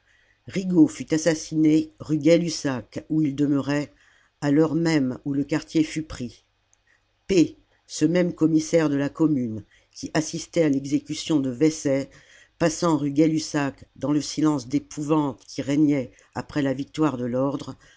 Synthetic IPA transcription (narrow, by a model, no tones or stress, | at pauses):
ʁiɡofyt̪asasineʁyɡɛlysakuild̪əməʁɛ | alɔʁmɛmuləkaʁt̪jefypχi | pe | səmɛmkɔmisɛʁd̪əlakɔmyn | kʲiʔasist̪ɛalɛɡzekʲysjɔ̃d̪əvɛsɛ | pasɑ̃ʁyɡʲɛlysakd̪ɑ̃ləsilɑ̃sd̪epʰuvɑ̃t̪kʲiʁɛɲɛ | apχɛlavik̚t̪waʁd̪əlɔʁd̪ʁ